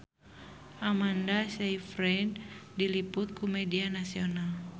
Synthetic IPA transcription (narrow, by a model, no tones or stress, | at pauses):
ʔamandasaifɾɛndilipʊt̪̚kumɛdianasiɔnal